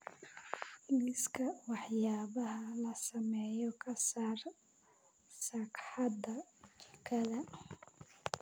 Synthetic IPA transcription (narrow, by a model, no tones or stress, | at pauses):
lɪskʰɐwɑħjaːβɐɦɐlɐsɐmɛːjɔkʰɐsaːr | sɐkħɑd̪ɐt͡ʃʰɪ̥kʰɐðɐ